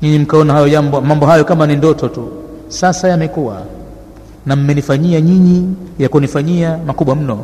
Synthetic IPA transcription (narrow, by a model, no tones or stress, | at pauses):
ɲiɲim̩kaɔnahajɔʄambmambɔɦajɔkamanindɔtɔtu | sasajamɛkuwa̰ | nam̩mɛnifaɲiaɲiɲijakunifaɲiamakuɓwam̩nɔ